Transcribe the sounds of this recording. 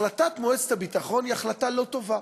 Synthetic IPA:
lat̪at̪moese̥t̪habit̪aχo̞niaχlat̪alo̞t̪o̞va

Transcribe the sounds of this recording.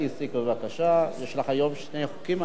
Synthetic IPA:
isikbevakaʃajeʃlaχajo̞mʃnejχukim

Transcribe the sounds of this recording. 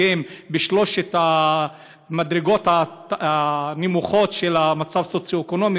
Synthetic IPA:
embeʃlo̞ʃet̪a | madʁeɡo̞t̪a | nimuχo̞tʃelamat͡savsot͡sjoeko̞no̞mi

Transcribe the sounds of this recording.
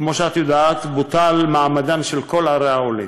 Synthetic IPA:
kmo̞ʃeat̪jod̪aːt̪but̪almaːmad̪anʃelko̞lhaɾeaoli

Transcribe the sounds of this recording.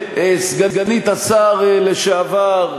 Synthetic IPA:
esɡaɡanit̪asaʁleʃeavaʁ

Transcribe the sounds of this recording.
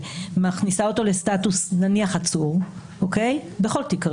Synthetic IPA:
maχnisao̞to̞lestatusnaniaχat͡suʁ | ʔoke̞jbeχo̞ltikʁ

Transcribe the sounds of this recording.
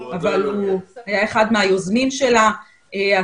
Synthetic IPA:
avaluhajaeχad̪meajozmimʃe̞la | ea

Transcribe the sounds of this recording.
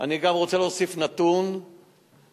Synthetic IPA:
aniɡamʁot͡selosifnat̪un

